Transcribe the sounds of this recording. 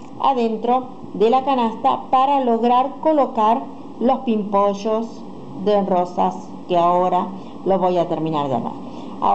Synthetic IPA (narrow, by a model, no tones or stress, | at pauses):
a̰ðent̪ɾo̞ | ðelakanast̪apaɾaloɣɾaɾkolokaɾ | lo̞spimpoʒos | ðerosas | keaoɾa | loβojat̪eɾmĩna̰ɾðea̰βa̰ɾ | a